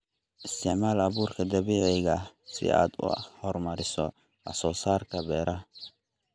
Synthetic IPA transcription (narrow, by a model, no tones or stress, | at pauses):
ʔɪst̪ʰɪʕmaːlɐβuːrkʰɐd̪ɐβiːʕɛɣɐsɪ̰a̰ːd̪ʊ̰hɔrmɐɾɪsɔ̰ | ʔɐ̰sɔːsaːrkʰɐbɛːɾɐ